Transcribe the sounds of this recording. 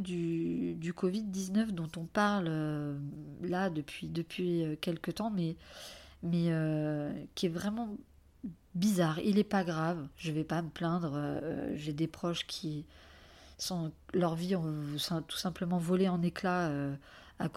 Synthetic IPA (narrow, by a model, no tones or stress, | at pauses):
d̪yd̪ykɔvid̪̚ːiznœfd̪ɔ̃t̪ɔ̃paʁlø | lad̪əpɥid̪əpʰɥiøkʲɛlkət̪ɑ̃mɛ | mɛøkʲiɛvʁɛmɑ̃ | bizaːʁilɛpaɡʁavʒəvɛpaməplɛ̃d̪ʁø̰ʒed̪epχɔʃkʲʰi | sɔ̃lœʁviɔ̃sɛ̃t̪u̥sɛ̃pləmɑ̃vɔleɑ̃neklaø | ak